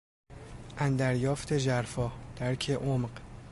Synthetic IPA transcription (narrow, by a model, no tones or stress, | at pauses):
ʔænd̪æɾjɒːft̪ʰe̞ʒæɾfɒːhd̪̥æɾcʰeʔomɢ